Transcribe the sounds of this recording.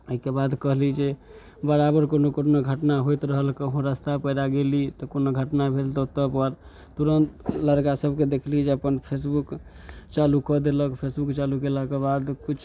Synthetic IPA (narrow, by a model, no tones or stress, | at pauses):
əɦikebad̪kəɦlid͡ʒe | bəɾabəɾkonokonoɡʱəʈnaɦojt̪ɾəɦəlkeɦõɾəst̪apəjɾaɡelit̪ɔkonoɡʱəʈnabʱelt̪ɔt̪əpəɾ | t̪uɾənt̪ləɾkasəbʱked̪ekʰlid͡ʒeəpənpʰes̬bukt͡ʃalukɔd̪eləkpʰesbukt͡ʃaluɡeləkebad̪kut͡ʃʰ